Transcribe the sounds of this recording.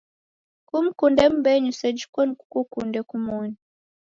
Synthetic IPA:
kum̩kundɛm̩bɛɲusɛd͡ʒi̥kɔniku̥kukundɛkumɔni

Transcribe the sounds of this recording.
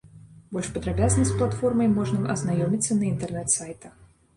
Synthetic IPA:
bɔlʲʂpɐd̪ɾabʲaznɐsʲplˠat̪fɔrmɐjmɔʐnɐʔɐznajɔmʲit̪sːɐnɐint̪ɛrnɛt̪sajt̪ɐ

